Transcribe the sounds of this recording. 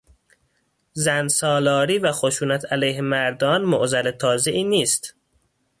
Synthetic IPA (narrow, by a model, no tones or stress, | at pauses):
zænsɒːlɒːɾiːvæxoʃuːnæt̪ʰælæjhemæɾd̪ɒːnmoʔzælet̪ʰɒːze̞ʔiːniːst̪